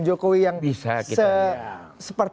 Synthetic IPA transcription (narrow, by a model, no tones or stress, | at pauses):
nd͡ʒokowijaŋbisa̰kisə | səpərt̪